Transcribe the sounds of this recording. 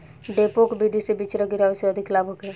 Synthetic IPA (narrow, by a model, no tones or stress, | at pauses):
ɖeːpokbid̪ʱisebit͡ʃɾɐkiɾaːʋsəɐd̪ʱɪklaːbʱokɛ